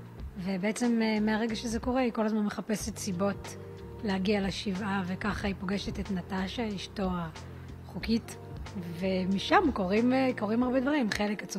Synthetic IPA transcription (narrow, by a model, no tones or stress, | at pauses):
ve̞beet͡se̞memeaʁe̞ɡaʃezeko̞ʁe̞iko̞lazmanmeχape̞setsibo̞t | lehaɡialeʃivavekaχaipo̞ɡe̞ʃe̞tetnataʃaiʃto̞a | χukit | ve̞miʃamko̞ʁimeko̞ʁimaʁbe̞dvaʁimχe̞le̞kat͡s